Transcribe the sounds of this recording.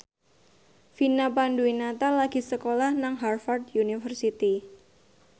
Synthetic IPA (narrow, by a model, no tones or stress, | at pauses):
finapanduinat̪alaɡ̥i̤səkolahnaŋɦarfard̪junifərsit̪i